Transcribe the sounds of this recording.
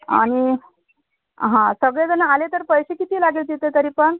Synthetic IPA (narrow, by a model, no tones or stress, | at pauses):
a̰ɽ̃i | ɦãsəɡɭed͡z̪ənaːlet̪əɾpəjsekit̪iːlaɡiːld̪et̪et̪əɾiːpəɳ